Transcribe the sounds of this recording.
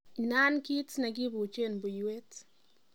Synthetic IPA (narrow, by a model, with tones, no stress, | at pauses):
i˨na˦nki˦tna˨k̬i˦βu˨t͡ʃe˦nbu˨jwe˦t